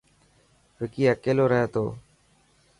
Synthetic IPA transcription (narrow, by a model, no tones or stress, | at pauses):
ʋɪkiːjaːkeːloːɾəɦeːt̪oː